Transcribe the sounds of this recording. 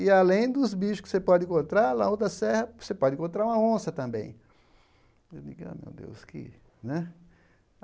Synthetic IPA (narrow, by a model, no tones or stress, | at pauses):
ɪalẽj̃d̪ʊzbiʃʊskɪ̥sepɔd͡ʒ̪ɪ̃kõnt̪ɾaɾla̰õd̪ɐsɛhɐsepɔd͡ʒɪ̃kõt̪ɾaɾũmɐõsɐt̪ɐ̃mbḛ̃j̃ | enḭ̃ɡ̃mḛwd̪ḛwskɪ̰ | nɛ